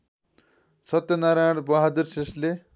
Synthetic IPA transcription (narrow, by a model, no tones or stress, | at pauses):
sʌt̪jʌnaɾaɽ̃bʌɦad̪ursesle